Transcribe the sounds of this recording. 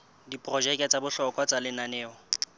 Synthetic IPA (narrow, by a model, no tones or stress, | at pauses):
dipʼrɔd͡ʒɛkʼɛt͡sʼabʊɬɔkʼwat͡salɪnanɛːɔ